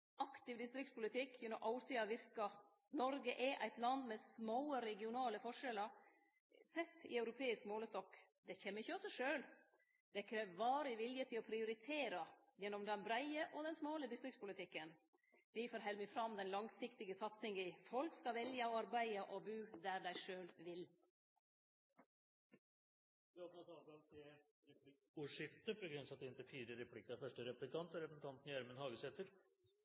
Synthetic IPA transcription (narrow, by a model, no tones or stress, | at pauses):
ɑkt̪ɪʋd̪ɪst̪ɾɪk̚t̪spʊlɪt̪ʰɪkʰːjɛnɔmʔɑʊɾt̪ʰiːɑʋɪɾkɑ | nɔɾɡəʔɛʔæ̰ɪt̪lɑnd̪mɛsmoːəɾɛɡɪʊnɑːləfɔʂɛlə | sɛt̪ːɪ̰œʉɾʊpʰeːɪskmoːləst̪ɔkː | d̪ɛçɛːmːəɾɪçːəɔsɔʂøːl | d̪̥ɛkʰɾeːʋʋɑːɾɪʋɪljət̪ʰɪlɔpʰɾɪʊɾɪt̪ʰeːɾɑjɛnːɔmd̪ɛnbɾæɪəʔɔd̪ɛnsmoːləd̪ɪst̪ɾɪkt̪spʊlɪt̪ʰɪkːən | d̪̥ɪfoːɾɦɛlmɪfɾɑmd̪ɛnlɑŋsɪkt̪ɪɡəsɑt̪sɪŋɡəfɔlkskɑʋɛljəɔɑɾbæɪəʔɔbʉːd̪æɾɖæɪʂøːlʋɪl | d̪ɪɑt̪nɑt̪ɑbɑt̪ʰe | ɾɛp | ʉʂɪt̪ːəpʰɔɡɾʉnsɑt̪̚ɪɪnt̪əfiːɾəɾɛpʰlɪkːɑfœʂʈəɾɛp̪ɪkt̪ʰɑnt̪ɔɾɛpəsn̩t̪ɑnt̪njæɾmənhɑːɡəsɛt̪əɾ